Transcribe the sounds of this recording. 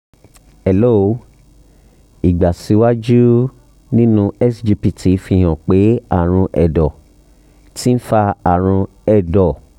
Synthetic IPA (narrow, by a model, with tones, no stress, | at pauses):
ɛ˨lo˦˨˦ | i˨ɡ͡ba˨si˨˧˦wa˦d͡ʒu˦ | nĩ˦nũ˦˧ɛ˦sd͡ʒi˧pi˨tʰi˨˦fi˧˨hã˨k͡pe˨˦a˦˨ɾ̃ũ˧ʔɛ̰˨dɔ˨ | ti˦ñ̩˦fa˧a˦˨ɾ̃ũ˧ | ɛ˨dɔ˨